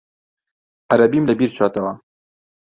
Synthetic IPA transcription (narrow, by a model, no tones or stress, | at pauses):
ɐɾɐbimlɐbiːɾt͡ʃʰaːt̪ɐwɐ